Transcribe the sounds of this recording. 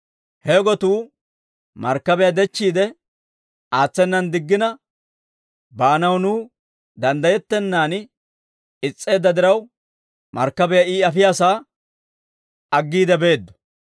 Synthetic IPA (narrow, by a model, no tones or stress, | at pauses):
hɛɡɔt̪uː | mɐɾkːɐbɛjad̪ɛt͡ʃːiːd̪ɛ | aːt͡sːɛnːɐnd̪ɪɡːɪnɐ | baːnɐwnuː | d̪ɐnd̪ɐjɛt̪ːɛnːaːn | ɪt͡sʼːe̞ːd̪ːɐd̪ɪɾɐw | mɐ̰ɾkːɐbɛjaiːɐfɪjaːsaː | ɐɡːiːd̪ɛbe̞ːd̪ːɔ̥